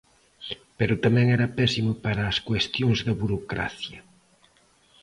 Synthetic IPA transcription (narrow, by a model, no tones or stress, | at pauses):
peɾʊt̪amɛ̃ŋɛɾɐpɛsimʊpaɾɐːskwest̪joŋzðɐβuɾokɾa̰θjɐ